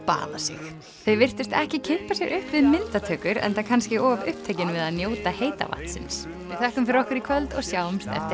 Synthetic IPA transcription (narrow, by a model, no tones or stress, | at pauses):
pa̰ːða̰sɪ̰x | θœɥvɪr̥t̪ʏst̪ɛhcɪcʰɪhpasjɛɣʏhpvɪðmɪnt̪at̪ʰœːkʏɾɛ̰nt̪akʰanscɪʔɔːvʏhp̚t̪ʰejcɪnvɪðaðnjoːwt̪aheːjt̪a̰va̰ht̪sɪ̰ns | ɪθɛhkʏmfɪɾɔhkʏɾikʰvœlt̪ɔɣsjaːwmst̪ɛ̰ft̪ɪ